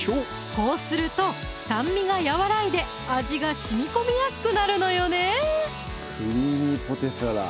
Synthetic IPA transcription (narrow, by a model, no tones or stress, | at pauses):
o | ko̞ːsɨɾɯ̟t̪o̞ | sãmːʲiɡajaβaɾaid̪e̞ | aʑiɡaɕimʲiko̞mʲijasɨ̥kɯ̟naɾɯ̟no̞jo̞ne̞ | kʰɯ̟ɲʲiɲipo̞t̪e̞saɾa